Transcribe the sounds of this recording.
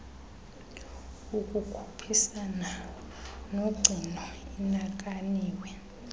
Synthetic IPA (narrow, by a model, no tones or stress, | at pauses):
uk̬ʼukʰu̥pʰisana | noɡ͡ǀʱinɔinak̬ʼaniːwɛ